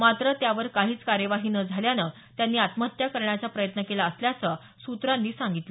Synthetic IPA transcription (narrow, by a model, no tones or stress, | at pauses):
mat̪ɾət̪jaʋəɾkaɦiːt͡skaɾjəʋaɦiːnəd͡zʱaljanə | t̪janːiːat̪məɦət̪jakəɾɳjat͡sapɾəjət̪nəkelaəsljat͡sə | sut̪ɾanːiːsãŋɡit̪lə